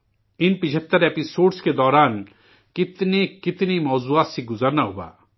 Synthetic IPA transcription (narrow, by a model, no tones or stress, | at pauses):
inpid͡ʒʰet̪ːɐɾepisoːɖsked̪ɔɾan | kit̪nekit̪nimɔːzuat̪siɡuzaɾnaɦuba̰